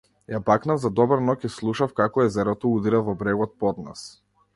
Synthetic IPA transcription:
jabaknavzad̪ɔbaɾnɔkislˠuʃafkakɔɛzɛɾɔt̪ɔud̪iɾavɔbɾɛɡɔt̪̚pɔd̪na̰s

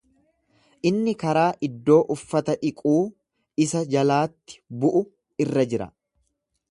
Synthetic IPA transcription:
ʔɪnːɪkɐɾaːʔɪd̪ːo̞ːʔʊfːɐt̪ɐᶑɪkʼuː | ɪsɐd͡ʒɐlaːt̪ːɪ̥bʊʔʊ | ɪrːɐd͡ʒɪɾɐ̰

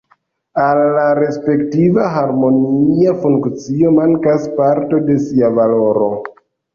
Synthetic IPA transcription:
alːaɾe̞spe̞ktivaɦaɾmo̞niafuŋkt͡sio̞maŋkaspaɾto̞de̞siavalo̞ɾo̞

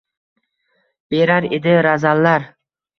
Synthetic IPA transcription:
b̥e̞ɾaɾed̪ɪɾazalːaɾ

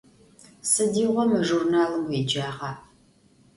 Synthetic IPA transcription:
sɨdiːʁʷɔmɨʒurnaːlɨmwiːd͡ʒaːʁɑ

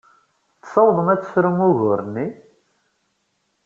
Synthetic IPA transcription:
θsˤɑwðˤəmæt͡sːə̥sɾəmʊʝʊɾni

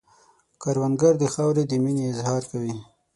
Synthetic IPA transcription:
kaɾwanɡaɾd̪əxɑwɾed̪əmineɪzhɑɾkawi

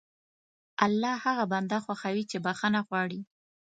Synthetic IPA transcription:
alːɑhaɣaband̪axwaxawit͡ʃebaxanaɣwɑɽi

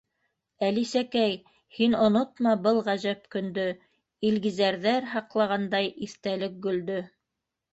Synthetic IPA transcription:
ælisækæj | hinŏnot̪mɑbɤlˠʁæʒæp̚kɵ̆nd̪ɵ | ilɡizæɾðæɾɦɑqlˠɑʁɑnd̪ɑjiθt̪ælɘk̚ɡɵ̆ld̪ɵ

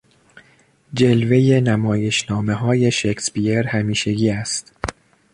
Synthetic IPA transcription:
d͡ʒe̞lveje̞næmɒːje̞ʃnɒːme̞ɦɒːje̞ʃekʰspieɾhæmiːʃe̞ɡiːæst̪

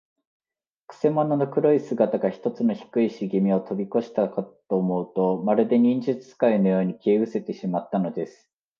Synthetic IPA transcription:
kɯ̟̥se̞monono̞kɯ̟ɾo̞isɨɡat̪aɡaçi̥t̪o̞t͡sɨno̞çi̥kɯiɕiɡemʲio̞t̪o̞bʲiko̞ɕi̥t̪akat̪o̞ːmo̞ɯ̟t̪o̞maɾɯ̟d̪e̞ɲ̟ĩɲ̟d͡ʑɨt͡sɨ̥sɨ̥kaino̞jo̞ːɲ̟ikʲe̞ːɯ̟se̞t̪e̞ɕimat̪ːano̞d̪e̞sɨ̥

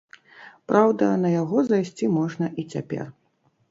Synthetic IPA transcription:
pɾawd̪ɐnɐjaɣɔzajsʲt͡sʲimɔʐnɐʔit͡sʲa̰pʲɛ̰r

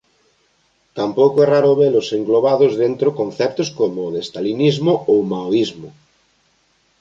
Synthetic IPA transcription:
t̪ampowkoɛraɾʊβelʊseŋɡloβaðozðent̪ɾokonθɛpt̪oskomoːðest̪alinizmoowmaoizmʊ

